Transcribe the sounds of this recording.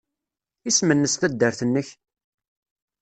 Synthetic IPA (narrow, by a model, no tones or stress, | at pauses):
ismənːəst̪æd̪ːəɾθənːəç